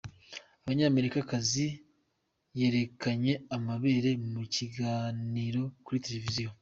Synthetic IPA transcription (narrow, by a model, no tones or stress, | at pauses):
aβaɲaːme̞ɾikakazi | je̞ɾe̞kaɲe̞amaβe̞ːɾe̞muciɡaːniɾo̞kuɾite̞le̞vizijo